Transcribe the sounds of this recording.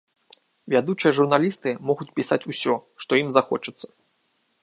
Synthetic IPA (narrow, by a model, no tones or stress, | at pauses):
vʲad̪ut͡ʂɨjɐʐurnalʲist̪ɨmɔɣut͡sʲpʲisat͡sʲusʲɔʂt̪ɔjimzaxɔt͡ʂɨt̪sːɐ̥